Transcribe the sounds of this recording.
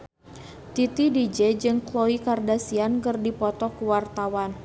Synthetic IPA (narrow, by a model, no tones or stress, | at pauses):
t̪it̪idid͡ʒɛd͡ʒɨŋkloikardasiankɨrdipɔt̪ɔkuwart̪awan